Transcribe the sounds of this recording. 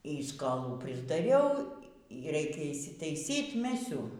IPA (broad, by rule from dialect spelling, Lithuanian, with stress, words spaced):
iː skoːˈlˠuː pʲrʲɪzdɐˈrʲɛʊ iː ˈrʲɛɪkʲɛ ɪʃʲsʲɪtɐɪˈsʲiːt ˈmʲæːsʲʊ